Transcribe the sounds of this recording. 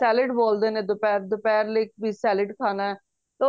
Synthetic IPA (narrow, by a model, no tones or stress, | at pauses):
ɛːlɪɖboːld̪eːneːd̪ʊpɛːɾd̪ʊpɛːɾlɪk̚bʱiːsɛːlɪɖkʰaːnaːɛː | t̪e